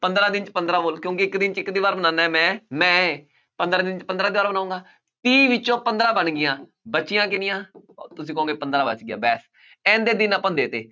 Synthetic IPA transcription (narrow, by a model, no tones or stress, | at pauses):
pənd̪ɾãːd̪ɪnt͡ʃpənd̪ɾaːboːlkjõːkɪɪkd̪ɪnt͡ʃɪkd̪iːbaːɾbənaːnaːɛːmɛ̃ːmɛ̃ː | pənd̪ɾãːd̪ɪnt͡ʃpənd̪ɾãːd̪iːbaːɾbənaːũːŋɡaː | t̪iːʋɪt͡ʃõːpənd̪ɾãːbəɳɡɪjãː | bətːʃɪjãːkɪnɪjãːt̪ʊsĩːkːõːɡeːpənd̪ɾaːbə̰t͡ʃɡɪja̰ːbɛːs | ɛ̃ːnd̪eːd̪ɪnaːpə̃nd̪eːt̪ḛː